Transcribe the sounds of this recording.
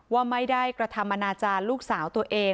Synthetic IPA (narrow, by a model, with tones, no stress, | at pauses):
waː˥˩ma˥˩jdaː˥˩jkɾa˧t̪ʰa˧mʔa˧naː˧t͡ɕaː˧nluː˥˩k̚saː˩˦wt̪u˧ɐʔeː˧